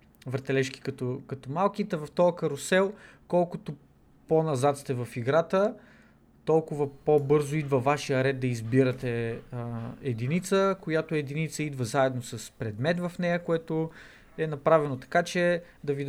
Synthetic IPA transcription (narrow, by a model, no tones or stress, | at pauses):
vəɾt̪ɛlɛʃki̥kɐt̪okɐt̪omalˠk̟it̪ɛvɐft̪ɔlˠkəɾosɛlˠ | kɔlˠkʊt̪o | ponɐzat̪st̪ɛvɐfiɡɾat̪ə | t̪ɔlˠkʊvəpobɤɾzoid̪vəvaʃijəɾɛd̪̚d̪ɐizbiɾət̪ɛ | ɛd̪init̪səkojat̪ʊɛd̪init̪səid̪vəzaɛd̪nosɐspɾɛd̪mɛt̪vɐfnɛjəkoɛt̪o | ɛnɐpɾavɛnot̪ɐ̥kat͡ʃɛ | d̪ɐvi